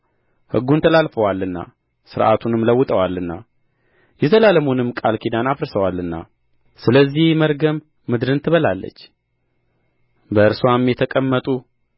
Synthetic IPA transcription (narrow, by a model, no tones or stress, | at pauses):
hɨ̰ɡːunt̪ʰəlalfəwalːɨnːa̰ | sɨɾʔa̰t̪ʰunɨmləwːɨt̪ʼəwalːɨnːa | jɛt̪ʰəlaləmunɨmːkʼalkʰid̪anafɨɾsəwalɨnːa̰ | sɨləzːihməɾɡəmː | ɨd̪ɾɨnt̪ʰɨβəlalːə̰t͡ʃː | bəɨɾswamjɛt̪ʰəkʼəmːət̪ʼu